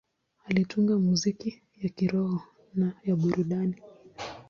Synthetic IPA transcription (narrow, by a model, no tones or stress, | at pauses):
alituŋɡamuziki | jakiɾɔhɔ | najaɓuɾuɗani